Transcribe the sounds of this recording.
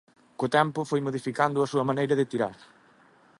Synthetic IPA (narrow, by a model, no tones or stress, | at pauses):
kʊt̪ɛmpʊfojmoðifikand̪ʊɐsuɐmanejɾɐðɪt̪iɾa̰ɾ